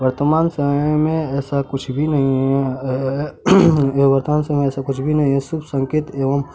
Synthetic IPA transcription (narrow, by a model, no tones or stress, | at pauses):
ʋɐɾt̪əmaːnsəməjmẽɛːsakʊt͡ʃʰbʱinɐɦĩɦɛ | ʋɐɾt̪əmaːnsəmmeɛːsakʊt͡ʃʰbʱinɐɦĩɦɛsʊbsɐ̃ŋkeːt̪eːʋəm